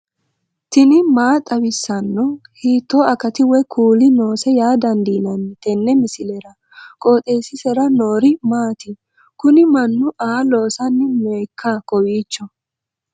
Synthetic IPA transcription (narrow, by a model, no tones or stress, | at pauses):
t̪ɪnɪmaːt̪ʼɐwɪsːɐnːɔhiːt̪ːɔɐkɐt̪ɪwɛkʰuːlɪno̞ːsɛjaːd̪ɐnd̪iːnɐnːɪt̪ɛnːɛmɪsɪlɛɾɐ | kʼo̞ːt̪ʼeːsɪsɛɾɐnoːɾɪmaːt̪ɪ | kʊnɪmɐnːʊʔaːlo̞ːsɐnːɪmɔjkʰːɐkɔwiːt͡ʃːɔ